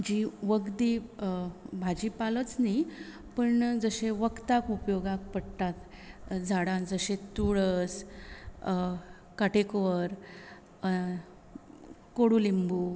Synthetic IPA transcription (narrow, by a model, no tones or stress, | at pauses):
d͡ʑiʋəɡd̪iː | bʱad͡ʑiːpalət͡sni | pəɳd͡zəɕeʋəkt̪akupjoɡak̚pəɽt̪at̪d͡zʱaɽãd͡zəɕẽt̪uɽəs | kəʈekʋəɾ | koɽulimbu